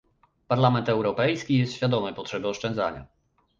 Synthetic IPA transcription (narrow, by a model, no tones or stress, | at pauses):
paɾlamɛnt̪ɛwɾɔpɛjskʲijɛst̪ɕfʲjad̪ɔmɛjpɔtʂɛbɘɔʂt͡ʂɛ̃nd̪za̰ɲa̰